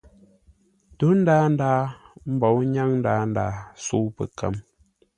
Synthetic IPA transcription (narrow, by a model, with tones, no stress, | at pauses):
tu˦n̩˦daː˦n̩˦daː˦m̩˦bɔ˨˦wɲa˦ŋn̩˦daː˨˦n̩˦da̰ː˨˦su˦pə̰˨kə̰˦m